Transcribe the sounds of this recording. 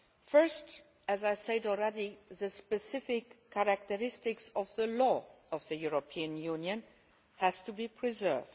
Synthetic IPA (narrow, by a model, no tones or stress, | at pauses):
fɜ˞st | ɨzaɪsɛɪdl̩ˠɹɛɾiðɨspɨsɪfɪkʰːæɹak̚təɹɪstɪksʌvðəlɔʌvðɨjuɹopʰiɨ̃njũnjɨ̃n | hæz̥tubipʰɹ̥izɜ̰˞vd